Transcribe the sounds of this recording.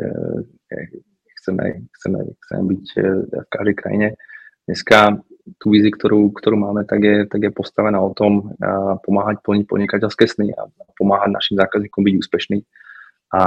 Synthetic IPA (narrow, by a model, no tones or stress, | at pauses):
ɲɛ̰ | ɛxt͡sɛmɛ̰xt͡sɛmɛ̰xt͡sɛ̰mɛ̰bicfkaʒd̪ɛjkɾa̰jḭɲɛd̥ɲɛskat̪uːʋizikt̪ʰɔɾuːkt̪ɔɾuːmaːmɛt̪aɡjɛt̪aɡjɛpɔst̪aʋɛnaːɔt̪ɔmpɔmaːɦac̚pl̩ɲic̚pɔ̰d̪ɲikacɛlskɛːsnia̰pɔmaːɦaɟna̰ʃiːmzaːkazɲiːkɔmbiɟuːspɛʃniː | ʔa